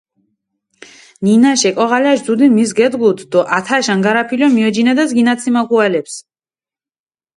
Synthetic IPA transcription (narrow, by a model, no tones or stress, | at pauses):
ninaʃɛkʼɔʁalaʃd̪zud̪imisɡɛd̪ɡulˠt̪ʰd̪ɔʔat̪ʰaʃanɡaɾapʰilɔmiɔd͡ʒinad̪azɡinat̪sʰimakʰualɛps